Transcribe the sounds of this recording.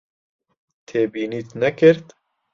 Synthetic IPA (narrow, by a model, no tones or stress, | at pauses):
t̪ʰeːbiːniːt̪nɛkɨɾt̪